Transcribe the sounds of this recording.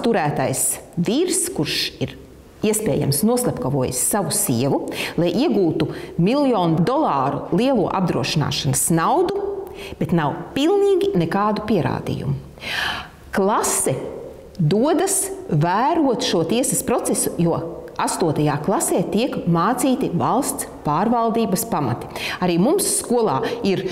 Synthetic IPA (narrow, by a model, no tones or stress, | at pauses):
t̪uɾæːt̪ajsviɾskuɾʃiɾ | iɛspḛːja̰msnuɔslˠɛpkɐvuɔj̰sːaʋusḭɛʋulˠajʔiɛɡuːt̪umilˠjɔːnud̪ɔlˠɑːɾṵlˠiɛlˠuːɔʔa̰b̚d̪ɾuɔʃina̰ːʃanəsnawd̪u | b̥et̪nawpilˠniːɡinekaːd̪upiɛɾa̰ːd̪ḭjṵm | klˠasɛ | d̪uɔd̪ɐsvæːɾuɔt̪ʃuɔt̪iɛsɐspɾɔt̪sesujuɔast̪uɔt̪ɐjaːklˠasɛːt̪iɛkmaːt̪siːt̪ivalˠst̪spaːɾvalˠd̪iːbɐspama̰t̪i̥aɾiːmumsːkuɔlˠaːiɾ